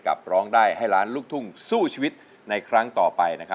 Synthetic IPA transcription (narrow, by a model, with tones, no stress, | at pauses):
ka̰˨˩p̚ɾɔː˦˥ŋdaː˥˩jɦa˥˩jɾaː˦˥nluː˥˩k̚t̪ʰu˥˩ŋsuː˥˩t͡ɕʰiː˧wi˦˥t̪̚ | na˧jkʰɾa˦˥ŋt̪ɔː˨˩pa˧jna˦˥kʰa˦˥